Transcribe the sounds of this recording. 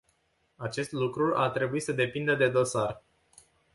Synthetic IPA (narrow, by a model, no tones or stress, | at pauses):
at͡ʃe̞st̪lukɾuʔa̰rt̪ɾe̞buisəd̪e̞pind̪əd̪e̞d̪o̞sar